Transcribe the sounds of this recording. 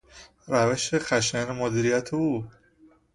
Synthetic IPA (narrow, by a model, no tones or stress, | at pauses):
ɾæveʃexæʃenemod̪iːɾijæt̪ʰeuː